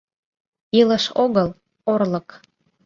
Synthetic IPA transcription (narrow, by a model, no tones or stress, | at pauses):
iləʃoɣəl | orlək